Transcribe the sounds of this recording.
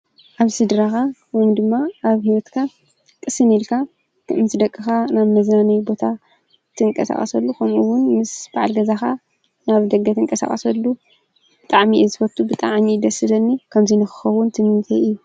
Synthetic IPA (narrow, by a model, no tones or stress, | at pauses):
ʔaβsɨd̪ɾaxawojmd̪ɨmːaaβhiwɔt̪kʰa | kʼɨsɨnilkʰa | kʰɨʔɨnt̪ʰɨd̪ɐkʼːɨxanaβmɐznanɐjbo̞t̪ʰa | t̪ʰɨɨŋkʼɐ̰sa̰χʼɐ̰sɐlːukʰɐmuwʊnmɨsb̥aʕalɡɐzaxa | naβd̪ɐɡɐt̪ʰɨŋkʼɐsa̰χʼɐsɐlːu | b̥ɨt̪ʼaʕmiʔzɨfɐɾt̪ʰubɨt̪ʼaʕmid̪ɐsɨlɐnːikʰɐmzinɨxɨ̥xɐwʊnt̪ʰɨmɨnt̪ʰeɨjːu